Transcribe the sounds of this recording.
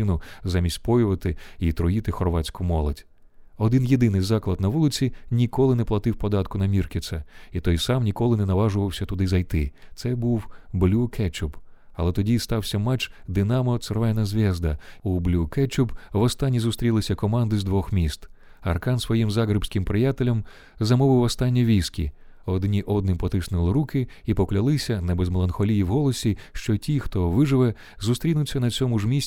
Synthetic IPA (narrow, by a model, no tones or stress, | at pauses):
ɪnʊzamʲisʲtʲpɔjʊʋɐt̪ɪit̪ɾɔjit̪ɪxɔrʋɑt͡sʲkʊmɔlˠɔtʲ | ɔd̪ɪnjed̪ɪnɪjzɑklˠɐd̪nɐʋulˠɪt͡sʲinʲikɔlˠɪnɛplˠɐt̪ɪwpɔd̪ɑt̪kʊnɐmʲirkʲɪt̪sɐit̪ɔjsɑmnʲikɔlˠɪnɛnɐʋɑʒʊʋɐwsʲɐt̪ʊd̪ɪzɐjt̪ɪt̪sɛbuwblʲukʰɛt͡ʃʊb | ɐlˠɛt̪ɔdʲist̪ɑwsʲɐmɛt͡ʃd̪ɪnɑmɔt̪sɛrʋɛnɐzʲʋʲɛzd̪ɐublʲukɛt͡ʃʊbʋɔst̪ɑnʲːizʊst̪ɾʲilˠɪsʲɐkɔmɑnd̪ɪzd̪ʋɔxmʲist̪ | ɐ̰rkɑnsʋɔjimzɑɣɾɪbsʲkɪmpɾɪjat̪elʲɐm | zɐmɔʋɪwɔst̪ɑnʲːiʋʲijskʲḭɔd̪nʲiʔɔd̪̚nɪmpɔt̪ɪsnɪlˠɪɾukɪipɔklʲɐlˠɪsʲɐnɐbezmelˠɐnxɔlʲijiwɦɔlˠɔsʲiʃt͡ʃɔtʲixt̪ɔʋɪʒɪʋɛ | zust̪ɾʲinʊt͡sʲːɐnɐt͡sʲɔmʊʒmʲisʲ